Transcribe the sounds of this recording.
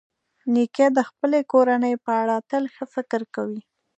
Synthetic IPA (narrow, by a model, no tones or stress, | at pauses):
niked̪əxpəlekoɾanəjpəaɽɑt̪əlxəfɪkɾkawi